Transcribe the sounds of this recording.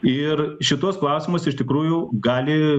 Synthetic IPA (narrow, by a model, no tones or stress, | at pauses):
ɪrʃʲɪt̪uɔsklˠɐʊsʲɪmʊsɪʃʲt̪ʲɪkɾuːjʊɡɑːlʲɪ